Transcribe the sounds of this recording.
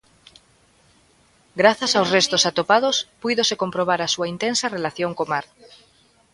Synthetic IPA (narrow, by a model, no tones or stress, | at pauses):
ɡɾaθasawzrest̪osat̪opað̞ospujðosekompɾoβ̞aɾasuaint̪ensarelaθjoŋkomaɾ